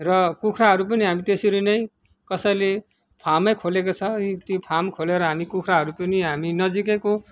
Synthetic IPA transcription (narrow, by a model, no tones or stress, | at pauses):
rʌkukʰɾaɦʌɾup̬ʌniɦamit̪esiɾinʌj | kʌsʌjle | pʰamʌjkʰolekot͡sʰʌit̪ipʰamkʰoleɾʌɦamikukʰɾaɦʌɾupʌniɦaminʌd͡zik̬eko